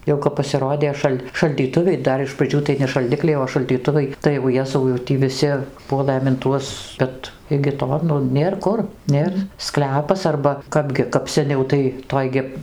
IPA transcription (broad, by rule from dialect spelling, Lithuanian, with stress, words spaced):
ˈjɛʊ kɐp pɐsʲɪˈroːdʲeː ˈʃɐlʲ ʃɐlʲdʲiːˈtʊʋʲɛɪ ˈdɐr ɪʃ prɐˈd͡ʒʲuː tɐɪ nʲɛ ʃɐlʲˈdʲɪklʲɛɪ oː ʃɐlʲdʲiːˈtʊʋɐɪ tɐɪ jɛʊ ˈjæːzɐʊ jɛʊ ˈtʲiː ʋʲɪˈsʲɪ ˈpuɔlˠɘm ɪn ˈtuɔs ˈbʲɛt ɪɡʲɪ ˈtoː ˈnʊ ˈnʲeːr ˈkʊr ˈnʲeːr ˈsklʲæːpɐs ɐrbɐ ˈkɑːbʲɡʲɪ kɐp sʲɛˈnʲɛʊ tɐɪ ˈtoːj ɡʲɪ